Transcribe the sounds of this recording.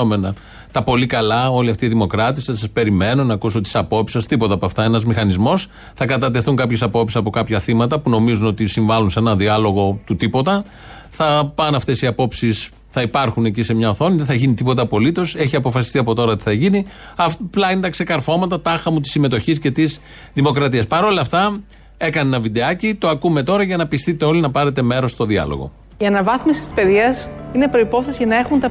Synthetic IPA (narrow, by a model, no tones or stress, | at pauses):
ome̞nɐ | t̪ɐpo̞likɐlɐo̞liɐft̪iːðimo̞kɾɐt̪isɐsɐspe̞ɾime̞no̞nɐːkuso̞t̪i̥sɐpo̞psi̥sɐst̪ipo̞t̪ɐpoɐft̪ɐe̞nɐzmixɐnizmo̞s | θɐkɐt̪̬ɐt̪̬e̞θuŋkɐpçe̞sɐpo̞psisɐpo̞kɐpçɐθimɐt̪ɐpuno̞mizuno̞t̪isiɱvɐlunseenɐðiɐlo̞ɣo̞t̪ut̪ipo̞t̪ɐ | θɐpɐnɐft̪e̞siɐpo̞psis | θɐipɐɾxune̞cisemɲɐoθo̞niðeθɐʝinit̪ipo̞t̪ɐpo̞lit̪o̞se̞çiɐpo̞fɐsi̥st̪iɐpo̞t̪o̞ɾɐt̪i̥θɐʝini | ɐfplɐinet̪ɐkse̞kɐɾfo̞mɐt̪ɐt̪ɐxɐmut̪i̥sːime̞t̪o̞çisce̞t̪is | ðimo̞kɾɐt̪iɐspɐɾo̞lɐft̪ɐ | e̞kɐnenɐvid̪e̞ɐcit̪o̞ɐkume̞t̪o̞ɾɐʝɐnɐpist̪it̪e̞o̞linɐpɐɾe̞t̪e̞me̞ɾo̞st̪o̞ðiɐ̰lo̞̰ɣo̞̰ | iɐnɐvɐθmisi̥isi̥speðiɐsine̞pɾo̞ipo̞θesiʝɐnɐe̞xunt̪ɐ